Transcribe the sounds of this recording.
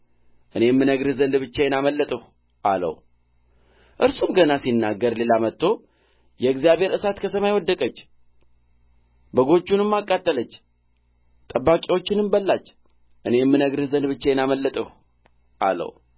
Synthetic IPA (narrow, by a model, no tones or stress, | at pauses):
ʔɨne̞mːɨnəɡɾɨzənd̪bɨt͡ʃːajɛnaməlːət̪ʼəh | ʔa̰lə̰w | ʔɨɾsumɡənasinːaɡːəɾle̞lamət̪ːo̞ | jɛɡzijaβhe̞ɾɨsat̪kʰəsəmajwɔd̪ːəkʼət͡ʃː | bəɡo̞t͡ʃːunɨmːakʼːat̪ʼːələt͡ʃː | t̪ʼəbːakʼiwo̞t͡ʃːɪnɨmbəlːat͡ʃː | ʔɨne̞mːɨnəɡɾɨzənd̪bɨt͡ʃːajɛnaməlːət̪ʼəh | ʔa̰lə̰w